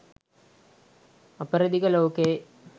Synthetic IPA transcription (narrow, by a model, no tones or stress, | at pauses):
ɐpəɾɐd̪ikɐloːkeː